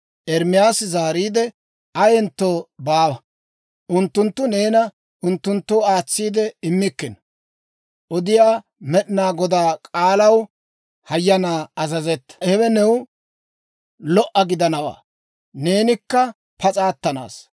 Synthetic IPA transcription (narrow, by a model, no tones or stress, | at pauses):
ʔɛɾmɪjaːsɪzaːɾiːd̪ɛ | ɐjɛnt̪ːoːbaːwɐ | ʔʊnt̪ːʊnt̪ːʊne̞ːnɐ | ʔʊnt̪ːʊnt̪ːɔwaːt͡sːiːd̪ɛɪmːɪkːɪn | ʔɔd̪ɪjaː | mɛɗɪnaːɡɔd̪aːkʼaːlɐw | hɐjːɐnaːɐzɐzɛt̪ːɐ̥hɛbɛnɛw | lɔʔɐɡɪd̪ɐnɐwa̰ː | ne̞ːnɪkːɐ | pɐt͡sʼaːt̪ːɐna̰ːs